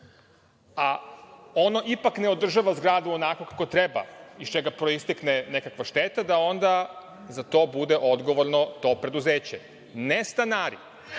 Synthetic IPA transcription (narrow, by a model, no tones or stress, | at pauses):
a | o̞no̞ʔipakne̞o̞d̪r̩ʒaʋazɡɾaːd̪uonako̞kako̞t̪ɾeba̰ist͡ʃeɡapɾo̞ist̪eknene̞kakʋaʃt̪et̪ad̪ao̞nd̪a | zat̪o̞ːbud̪e̞ʔo̞d̪ɡo̞ʋo̞ɾnot̪o̞pɾe̞d̪uzeːt͡ɕe | nest̪anaːɾḭ